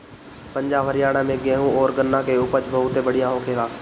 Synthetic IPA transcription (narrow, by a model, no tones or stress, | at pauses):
pə̃ɲd͡ʒaːbʱəɾɪjaːɽ̃ãmẽɡɛːɦũɔːɾɡənːakeʊpət͡ʃbəɦʊt̪ebəɽɪjãːɦõkʰeːlaː